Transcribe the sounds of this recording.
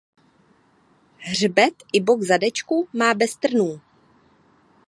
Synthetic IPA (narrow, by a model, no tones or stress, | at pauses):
ɦrbɛt̪ʔɪbokzadɛt͡ʃkumaːbɛst̪r̩nuː